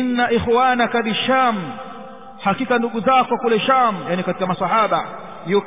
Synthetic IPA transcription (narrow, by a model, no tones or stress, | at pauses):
inːaʔixwaːnakaðiʃam | hakikanduɠuzakɔkulɛʃaːmjanikati̥kamasɑhaːɓa | jɔ